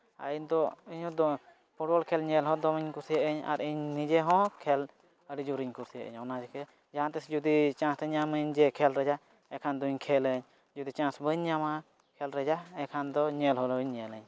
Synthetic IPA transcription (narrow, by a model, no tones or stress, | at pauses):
a̰iɲd̪ɔiɲɔ̃d̪ɔ | pʰuʈbɔlkʰɛlɲɛlɦɔ̃d̪ɔmiɲkuɾsiəʔəɲa̰ɾiɲnid͡ʒɛɦɔ̃kʰɛl | əɾid͡ʒuɾiɲkuɾsijəʔḭɲɔnad͡ʒɛkɛ | d͡ʒaãt̪ɛsd͡ʒud̪it͡ʃãsɾɛɲaməɲd͡ʒɛkʰɛlɾɛd͡ʒa | ɛkʰand̪ɔiɲkʰɛləɲ | d͡ʒud̪it͡ʃãsbəɲːama | kʰɛlɾɛd͡ʒaɛkʰand̪ɔɲɛlɦɔlɔɲːɛləɲ